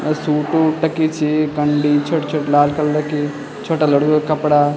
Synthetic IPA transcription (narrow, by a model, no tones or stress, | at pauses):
suːʈuʈɐkit͡ʃʰikɐɳɖit͡ʃʰoʈt͡ʃʰɐʈlaːlkɐllɐki | t͡ʃʰoʈalɐɽukɐpɽaː